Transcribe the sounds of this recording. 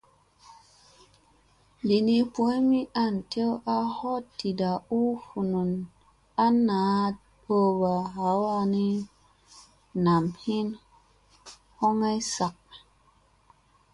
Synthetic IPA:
bi˨ni˧pu˧e˦mi˦ʔa˧˨ntʰe˦wʔa˧ho˦tːi˨da˨u˦hu˨nu˨n | a˦nːa˨˦ | ɗo˧ba˨ɦa˨˦wa˧ni˦ | na˨mhi˦n | ho˦ŋa˦jsa˨k̚

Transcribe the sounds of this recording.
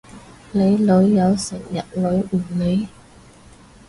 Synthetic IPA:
le˨˧jlɵ˨˥ɥːɐ˨˧wsɪ˨˩ŋjɐ˨t̚lɵ˨˥ɥʔ̩˨˩le˨˧j

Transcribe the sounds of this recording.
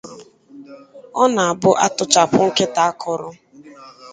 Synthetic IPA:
ɔ˦na˨a˨bʊ˦ʔa˦tʊ˦t͡ʃa˨pʊ˦ŋ̩˦ke˦ta˨a˦kʰɔ˨ɾʊ˦

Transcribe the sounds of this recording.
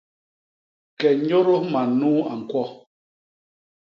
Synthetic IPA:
kɛ˨ɲo˦ɾo˦ma˨nuː˦a˨ŋ̩˨kwɔ˦

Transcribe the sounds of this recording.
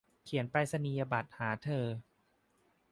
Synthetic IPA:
kʰi˩˦ənpɾa˧jsa˧niː˧ja˧ba˨˩t̪̚haː˩˦t̪ʰɤː˧

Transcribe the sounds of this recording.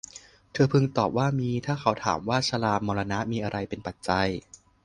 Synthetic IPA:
t̪ʰɤː˧pʰɯ˧ŋt̪ɔː˨˩p̚waː˥˩miː˧t̪ʰaː˥˩kʰa˦˥wt̪ʰa̰ː˩˦mwaː˥˩sʰa˧laː˧mɔː˧la˧na˦˥ʔmiː˧ʔa˧ɾa˧jpe˧npa˨˩t̪̚t͡ɕa˧j

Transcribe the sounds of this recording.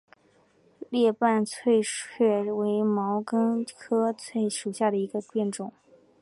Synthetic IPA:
ljɛ˥˧pa˥˧nt͡sʰwe˥˧ɪɥɛ˥˩we˧˥ɪmɑ˧˥ʊkə˥ŋkʰɤ˥t͡sʰwe˥˩ɪʂu˨˩ɕja˥˩d̪ə˩i˧˥ɡə˧pjɛ˥˩nʈ͡ʂʊ˨˩˦ŋ

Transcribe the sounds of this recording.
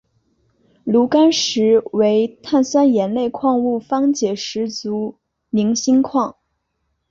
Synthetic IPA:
lu˧˥ka˥nʂɻ̩˧˥we˧˥ɪt̪ʰa˥˩nsa˥njɛ˧˥nle˥˧ɪkʰwɑ˥˧ŋu˥˩fɑ˥ŋt͡ɕjɛ˨˩ʂɻ̩˧˥t͡su˧˥ | mi˧˥ŋɕi˥ŋkʰwɑ˥˩ŋ

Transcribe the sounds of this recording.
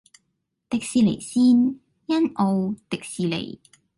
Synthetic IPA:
t̪ɪ˨k̚siː˨le˨˩jsiː˥n | jɐ˥no˧wt̪ɪ˨k̚siː˨lḛ˨˩j

